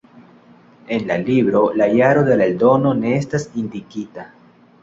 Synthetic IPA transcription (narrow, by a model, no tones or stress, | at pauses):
e̞nlalibɾo̞lajaɾo̞d̪e̞laeldo̞no̞ne̞estasindikita